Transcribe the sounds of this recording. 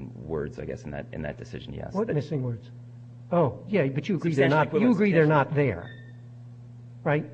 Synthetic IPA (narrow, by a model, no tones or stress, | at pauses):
wɜ̰˞dz̥aɪɡɛ̰sn̩ðɨ̰ɾɨ̰̃nðɨ̰t̚d̥ɨsɪ̰ʒ̃n̩j̰æ̰wʌtmɪsɪ̃ŋwɜ˞dz̥ | oʊjæbʌt͡ʃɨəɡɹiðə˞nət̪̚jɨəɡɹiðə˞nət̪̚ðə˞ | ɹaɪt̚